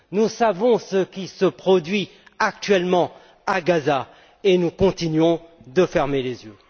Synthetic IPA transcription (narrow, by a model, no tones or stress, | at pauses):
nusavɔ̃səkʲisəpχɔd̪ɥi | ak̚t̪ɥɛlmɑ̃ | aɡaza | enukɔ̃t̪inɥɔ̃d̪əfɛʁmelezjø